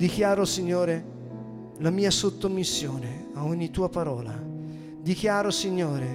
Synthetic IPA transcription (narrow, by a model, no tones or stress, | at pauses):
d̪ikjaːɾosiɲːoːɾe | lamiːasot̪ːomisːjoːne | aoɲːit̪uːapaɾɔːla̰ | d̪ikjaːɾosiɲːoːɾe